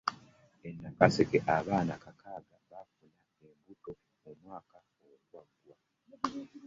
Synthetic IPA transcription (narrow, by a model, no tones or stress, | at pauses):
enːakasekeʔaβaːna̰kakʰaːɡaβafula | embuto̞ | omwaːka | olwaɡwa